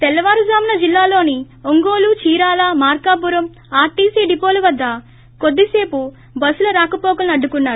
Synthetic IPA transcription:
t̪ɛlːɐʋaːɾuzaːmɐnɐd͡ʒilːaːlo̞ːni | oŋɡo̞ːlut͡ʃiːɾaːlamaːɾkaːpuɾɐm | aːʈiːsiːɖipoːlɐʋɐd̪ːɐ | kod̪ːise̞ːpu | bɐsulɐɾaːkɐpɔːkɐlnɐɖːukunːaːɾu

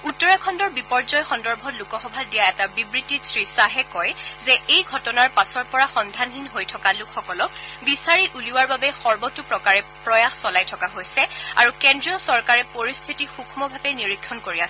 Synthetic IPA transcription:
utːɔɹakʰɔndɔɹbipɔɹzɔjxɔndɔɹbʱɔtlukɔxɔbʱadijaɛtabibɹitːisɹisaɦɛkɔjzɛejɡʱɔtɔnaɹpasɔɹpɔɹaxɔndʱanɦinɦojtʰɔkalʊkxɔkɔlɔk̚bisaɹituliwaɹbabɛxɔɹbɔtupɹɔkaɹɛpɹɔjaxsɔlajtʰɔkaɦojsɛa̰ɹukɛndɹiɔsɔɹkaɹɛpoɹist̪ʰitixukʰmɔbʱabɛniɹikʰːjɔnkoɹiasɛ

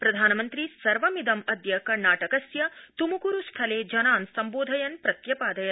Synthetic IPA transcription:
pɾɐd̪ʱaːnɐmɐnt̪ɾisɐɾʋɐmid̪ɐmɐd̪jɐkɐɾɳaːʈɐkɐsjɐt̪umukuɾust̪ʰɐleːd͡ʒɐnaːnsɐmboːd̪ʱɐjɐnpɾɐt̪jɐpaːd̪ɐjɐ

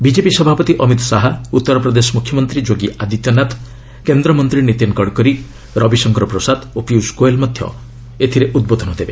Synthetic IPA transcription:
bid͡ʒepisɔbʱapɔt̪iʔɔmit̪saɦaut̪ːɔɾɔpɾɔd̪esɔmukʰjɔmɔnt̪ɾid͡ʒoɡiʔad̪it̪jɔnat̪ʰ | kend̪ɾɔmɔnt̪ɾinit̪inkɔɽkɔɾi | ɾɔbisɔŋkɔɾɔpɾɔsad̪opiuskoelmɔd̪ʱjɔ̰ | et̪ʰiɾeʔud̪̚bod̪ʱɔnɔd̪ebe

